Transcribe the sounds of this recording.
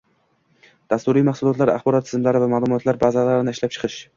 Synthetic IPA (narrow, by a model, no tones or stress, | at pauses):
d̪̥ast̪uɾijmaχsulˠɒt̪laɾa̰χbɒɾɒt̪ːʰɪzmlaɾɪvamaːlˠʊmɒt̪laɾbazalaɾɪnɪɪʃlap̚t͡ʃʰɨ̥qʰɨʃ